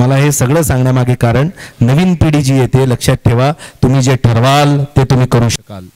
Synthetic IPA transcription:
məlaɦesəɡɭəːsãŋɡɳjamaɡʱekaɾəɳnəʋiːnpiɽiːd͡ʑiːjet̪eləkʂjat̪̚ʈʰeʋat̪um̤iːd͡zeʈʰəɾʋalt̪et̪um̤iːkəɾũːɕəkal

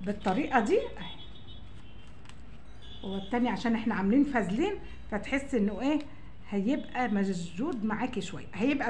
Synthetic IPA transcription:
bet̪ˤːɑɾiːʔɑd̪iːʔæ | howet̪ːæːniʕaʃæːnʔeħnæʕameliːnfæzliːn | fæt̪ħesːʔenːoʔeː | hæjebʔæmæd͡ʒd͡ʒuːd̪maʕaːkiʃowæ̰jːæhæjebʔæ

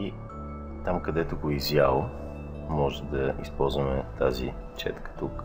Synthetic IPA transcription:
i | t̪amkɐd̪ɛt̪ʊɡoizjalˠ | mɔʒɛd̪ɐḭspɔlˠzvɐmɛt̪azḭ | t͡ʃɛ̰t̪kə̥t̪uk

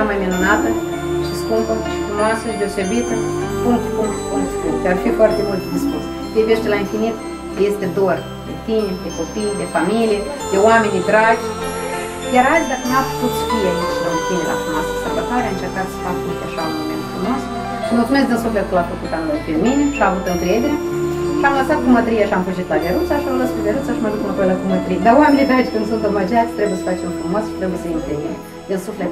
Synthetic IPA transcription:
amajminunat̪ə | ʃispuŋko | funoasəd̪eosebit̪puŋt̪kuŋk̪konsut̪d̪ʲearfifoart̪emult̪d̪iskus | pʲevʲeʃt̪ʲelainfinit̪ | jest̪ed̪or | d̪et̪imʲed̪ekopijd̪efamʲilʲie | d̪eoamenʲid̪ɾad͡ʒʲ | jʲaɾalʲd̪akənapsut̪st̪ijenislət̪inelʲa̰fɾumasə̥səbət̪aɾeaɨnt͡ʃerkat̪sə̥fakəniʃt̪eʃaomḛnt̪fɾumos | ʃəmult̪sumes̬d̪insuflet̪lap̪ok̪uk̪anopimineʃaːvut̪ɨŋkɾed̪eɾe̞ʃiamləsat̪̚ɡumət̪ɾijeʃiamfuʒit̪lad̪eɾut̪saʃiamləskud̪eɾut̪saʃimad̪ut̪napojlaɡumət̪ɾijed̪awamenʲid̪ɾat͡ʃʲkɨnd̪sunt̪omad͡ʒʲat̪sʲt̪ɾebujsə̥fat͡ʃemfɾumosʃi̥t̪ɾebujesəimt̪enine | d̪ɨnsuflet̪

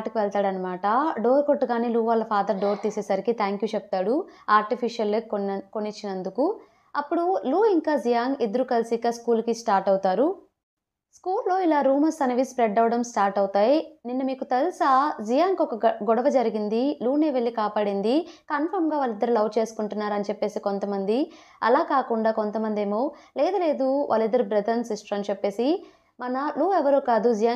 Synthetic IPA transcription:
ʈɐkiʋɛlt̪aːɽɐnːɐmaːʈɐɖoːɾkoʈːuɡaːniːluːʋaːlːɐpʰaːd̪ɐɾɖo̞ːɾt̪iːsɛːsɐɾikit̪ʰaːŋkjuːt͡ʃɛp̚t̪aːɽu | aːɾʈipʰiʂijɐlekonit͡ʃːinɐnd̪uku | ɐpːuɽuluːiŋkaːzijaːŋɡid̪ɐɾukɐlsikaːskuːlkisʈaːɾʈɐwt̪aːɾu | skuːlːo̞ːilaːɾuːmɐsɐnɐʋispɾeɖɐwɽɐmsʈaːɾʈɐwt̪aːjininːɐmiːkut̪elsaːd͡ʒijaːŋkɔkɐɡɔɽɐʋɐd͡ʒɐɾiɡind̪iluːneːʋeɭːikaːpaːɽind̪ikɐnpʰɐɾmɡaːʋaːlːid̪ːɐɾulɐʋt͡ʃe̞ːsu̥kuɳʈunːaːɾɐnit͡ʃepːe̞ːsiko̞nt̪ɐmɐnd̪i | ɐ̰laːkaːkuɳɖaːko̞nt̪ɐmɐnd̪eːmoːleːd̪ɐle̞ːd̪uʋʔa̰ːlːid̪ːɐɾubɾɐd̪ɐɾnsisʈɐɾɐnit͡ʃepːe̞ːsi | mɐnɐluːɛʋɐɾuːkaːd̪ud͡ʒijaː

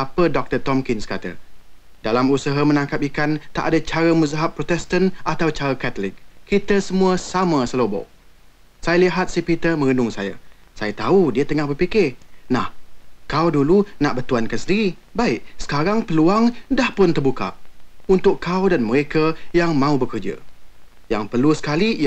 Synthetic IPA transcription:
apədɔk̚t̪ət̪ɔmkɪnskat̪ə̰ | dalamusəɦamənãŋkap̚ikant̪a̰ʔadat͡ʃaɾəmuzaɦappːɾot̪ɛst̪ənat̪awt͡ʃaɾəkat̪əlɪk̚kːit̪əsəmũəsamə̃səlobɔ̰ | sajaliɦat̪̚sipit̪əmə̃ŋənʊŋsa̰ja̰sajat̪audiət̪əŋahbərpikɪhnahkawdulunaʔbərt̪uankansəndiɾi | baɪʔsə̥kaɾaŋpəluaŋdahpʊnt̪ərbuka̰ʔunt̪ʊkkawdanməɾekajaŋmãubəkərd͡ʒə̰ | ja̰ŋpərlusə̥kali

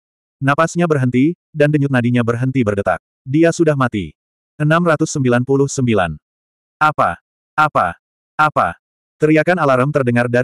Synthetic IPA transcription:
napasɲabərɦənt̪i | dandəɲʊt̪̚nadiɲabərɦənt̪ibərdət̪a̰k̚ | diasudahmat̪ḭ | ʔənamrat̪ʊsːəmbilanpulʊhsəmbila̰n | ʔapa̰ | ʔapa̰ | ʔapa̰ | t̪əɾiakanalaɾəmt̪ərdəŋarda

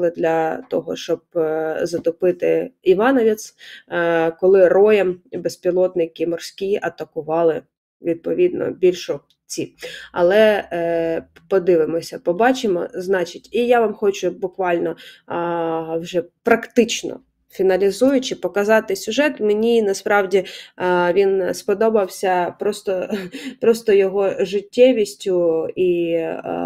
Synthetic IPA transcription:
ɪd̪lʲɐt̪ɔɦɔ̰ʃt͡ʃɔb̚zɐt̪ɔpɪt̪ɪ̰iʋɑnɔʋʲit̪s | kɔlˠɪrɔjɛmbespʲilˠɔt̪nɪkʲɪmɔrsʲkʲiʔɐt̪ɐkʊʋɑlˠɪ | ʋʲid̪̚pɔʋʲid̪nɔ̰bʲilʲʃɔ | t͡sʲiɐ̰lˠɛ | pɔd̪ɪʋɪmɔsʲɐpɔbɑt͡ʃɪmɔ̰znɑt͡ʃɪtʲijaʋɑmxɔt͡ʃʊbʊkʋɑlʲnɔ | wʒɛpɾɐkt̪ɪt͡ʃnɔ̰ | fʲinɐlʲizujʊt͡ʃɪpɔkɐzɑt̪ɪsʲʊʒɛt̪menʲinɐspɾɑwdʲiʋʲinspɔd̪ɔbɐwsʲɐpɾɔst̪ɔpɾɔst̪ɔjɔɦɔʒɪtʲːɛʋʲisʲtʲʊi

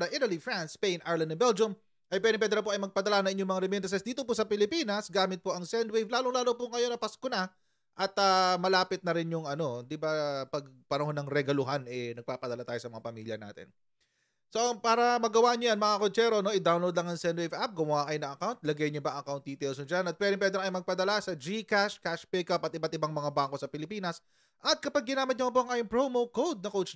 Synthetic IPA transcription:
ɐʔit̪ɐlifɹanspejnaɹlɐnd̪ɐbɛld͡ʒʊm | ʔɐjpwɛd̪ɪmpɛd̪ɛɾɐpoʔɐjmɐɡ̚pɐd̪ɐlanɐŋʔɪnɲomɐŋaɾɛmɛnd̪ɐs̬ɛsd̪iːt̪opʊsɐpɪlɪpiːnɐsɡaːmɪt̪̚poʔɐŋsɛnd̪wejvlaːloŋlaːlo̞pʊŋɐjo̞nɐpɐskona | ʔɐt̪ɐmɐlaːpɪt̪̚nɐɾɪnjʊŋɐno̞d̪ɪbapɐɡ̚pɐnɐɦo̞nɐŋɾɛɡɐlʊɦanɛnɐɡ̚paːpɐd̪ɐlat̪aːjosɐmɐŋapɐmḭljɐna̰ːt̪ɛ̰n | so̞ɐpaːɾɐmɐɡɐwaɲojɐnmɐŋakot͡ʃɛːɾono̞ɪd̪awnlowd̪lɐŋɐŋsɛnwejvap̚ɡʊmwaːkɐjnɐŋɐkawnt̪̚lɐɡɐjɲʊbɐŋɐkawnt̪̚d̪iːt̪ɛlsʊd͡ʒanɐt̪̚pwɛd̪ɪŋpwɛd̪ɛɾkɐjmɐɡ̚pɐd̪ɐlasɐd͡ʒikaʃkaʃpɛkɐpɐt̪ɪbat̪̚ɪbaŋmɐŋabaːŋko̞sɐpɪlɪpiːnɐs | ʔɐt̪̚kɐpaɡ̚ːɪnaːmɪt̪̚ɲomɐp̬oɐŋʔajʊŋpɹomowkowd̪̚nɐkowt͡ʃ

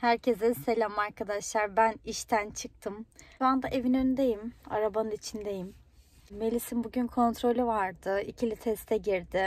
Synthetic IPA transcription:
hæɾcʰezɛse̞lʲamaɾkʰad̪aʃlˠaɾbæniʃt̪ʰænt͡ʃʰɯk̚t̪ʰɯmuand̪aʔe̞vinønd̪ejima̰ɾabanɯnit͡ʃʰind̪e̞jim | me̞lʲisimbuɟynkʰo̞nt̪ʰɾo̞lʲyvaɾd̪ɯicʰilʲit̪ʰɛst̪ʰɛɟiɾd̪ɪ

